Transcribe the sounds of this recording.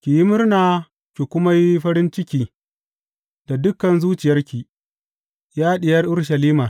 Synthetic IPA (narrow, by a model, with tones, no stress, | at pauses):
kʲi˨jɪ˦mʊ˦rnaː˨ | kʲi˨kʷʊ˦ma˦ji˦ɸɐ˦ɾɪ˦nt͡ʃɪ˦kʲiː˦ | d̥a˨dʊ˦kɐ˨nzuː˦t͡ʃɪ˨jɐ˦rkʲi˨ | jaː˦ɗɪ˨jɐ˦rʔʊ˦rʃɐ˨liː˦maː˨